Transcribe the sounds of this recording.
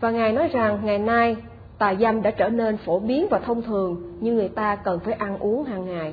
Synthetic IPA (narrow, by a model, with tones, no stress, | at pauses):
vaː˨˩ŋaː˨˩jnɔ˨˦jza˨˩ŋːa˨˩jnaː˧j | t̪aː˨˩jza˧mɗa̰ː˧˥t͡ɕəː˧˩ne˧nfo˧˩ɓi˨˦ənvaː˨˩t̪ʰə˧wŋ͡mt̪ʰɨ˨˩əŋɲɨ˧ŋːɨ˨˩əjt̪aː˧kə˨˩nfaː˧˩jʔa˧nʔu˨˦əŋɦaː˨˩ŋːaː˨˩j